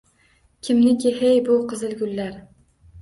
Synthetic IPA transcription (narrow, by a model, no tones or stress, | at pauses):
kʲʰɪmnɪkʲɪɦejbʊqʰɨzɪlˠɡʲʊlːaɾ